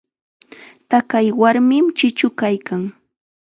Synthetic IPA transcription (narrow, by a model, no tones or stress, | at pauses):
t̪akajwaɾmɪmt͡ʃɪt͡ʃʊkajkaŋ